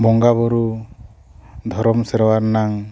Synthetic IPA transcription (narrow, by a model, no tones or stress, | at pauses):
bɔŋɡabɔɾu | d̪ʱɔɾɔmsɛɾɔwaɾnaŋ